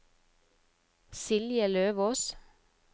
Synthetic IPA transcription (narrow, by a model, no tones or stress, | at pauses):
sɪljəløːʋoːs